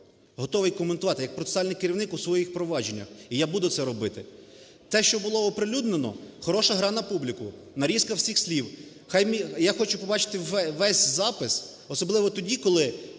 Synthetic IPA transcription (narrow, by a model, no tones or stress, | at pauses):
ɦɔt̪ɔʋɪjkɔment̪ʊʋɑt̪ɪjɐk̚pɾɔt̪esɑlʲnɪjkeɾʲiʋwnɪkusʋɔjixpɾɔʋɑd͡ʒenʲːɐ̰xijabud̪ʊt̪sɛɾɔbɪt̪ɪ | t̪ɛʃt͡ʃɔbʊlˠɔːpɾɪlʲud̪nenɔ̰xɔɾɔʃɐɦɾɑnɐpublʲikʊ | nɐɾʲiskɐwsʲixsʲlʲiw | xajmijaxɔt͡ʃʊpɔbɑt͡ʃɪ̥t̪ɪʋɛsʲzɑpɪs | ɔsɔblˠɪʋɔt̪ɔdʲikɔlˠɪ